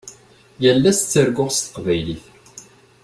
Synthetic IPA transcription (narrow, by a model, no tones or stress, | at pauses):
jəlːæst͡sːəɾɡʊʁst̪ə̥qvæjliθ